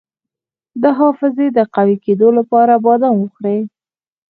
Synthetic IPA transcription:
d̪əɦɑfɪzed̪əqawiked̪olapɑɾabɑd̪anwəxɽe

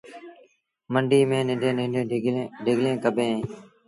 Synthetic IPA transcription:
məɳɖiːmẽːnɪɖẽːɪẽːɖʱɪɡlẽːkəbʱẽː

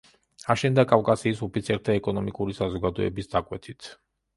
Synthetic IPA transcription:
aʃɛnd̪akʼafkʼasiːsupʰit̪sʰiɛɾt̪ʰaɛkʼɔnɔmikʼuɾisazɔɡad̪ɔɛ̰bisd̪akʼwɛt̪ʰit̪ʰ

